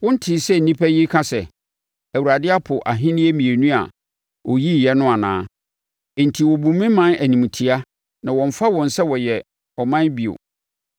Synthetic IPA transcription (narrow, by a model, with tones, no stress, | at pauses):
wɔ̃˦n̩˦tʰɪː˨˦sɛ˦˨n̩˨nĩ˦pʰæ˦ji˦kʰã˦sɛ˨ | æ˨wu˨ɾa˨dɪ˦a˦pʰʊ˨ʔa˨ɦɪ̃˦nɪ̃˦e˦mĩ˨e˨nũ˦a̰˨ | ʔɔ˨ji˦jɛ˦nʊ̃˦a˨nã̰ː˦˨ | n̩˨tʰi˨wɔ˨bũ˨mĩ˦mã˦næ˨nĩ˨m˨tʰi˨a˦ | nã˨wɔ̃˨ɱ˨fa˦wɔ̃˨n̩˨sɛ˦wɔ˨jɛ˨ | ɔ˨mã˦nbi˨o̰˨